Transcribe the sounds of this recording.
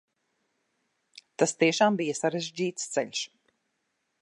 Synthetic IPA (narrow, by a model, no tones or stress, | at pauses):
t̪ast̪iɛʃaːmbijasaɾeʒd͡ʑiːt̪st̪sɛʎʲʃ